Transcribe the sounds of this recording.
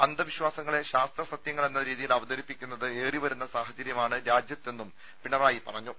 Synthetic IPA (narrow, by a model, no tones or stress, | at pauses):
ɐnd̪ɐʋiɕwaːsɐŋːɐɭe̞ɕaːst̪rɐsɐt̪jɐŋːɐɭe̞nːɐɾiːðijilɐʋɐd̪ɐɾipːikʲːunːɐðɨeːriʋɐɾunːɐsaːɦɐd͡ʑɐɾjɐmaːɳɨɾaːd͡ʑjɐt̪ːe̞nːum | piɳɐraːjipɐrɐɲːu